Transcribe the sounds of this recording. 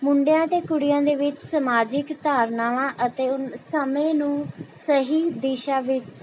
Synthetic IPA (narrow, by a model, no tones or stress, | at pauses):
mʊɳɖejãːt̪eːkʊɽɪjãːd̪eːʋɪt͡ʃsəmaːd͡ʒɪkt̪aːɾnaːʋãːʔət̪eːʊnsəmẽːnũːsəɦiːd̪iːʃaːʋɪt͡ʃ